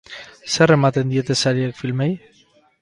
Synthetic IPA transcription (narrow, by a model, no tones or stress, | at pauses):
se̞re̞mat̪e̞nd̪ie̞t̪e̞saɾiekfilmej